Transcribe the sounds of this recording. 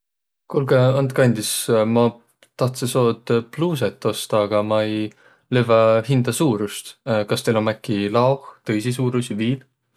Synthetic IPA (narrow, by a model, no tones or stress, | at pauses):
kulɡeɑnt̪kɑnʲd̪ismɑ | t̪ɑht̪seso̞ːd̪pluːs̬et̪ːˑo̞st̪ɑːɡ̥ɑmɑej | levɑhind̪̥ɑsuːɾust̪kɑst̪elomækːˑilɑoxt̪ɤjsis̬uːɾusiviːl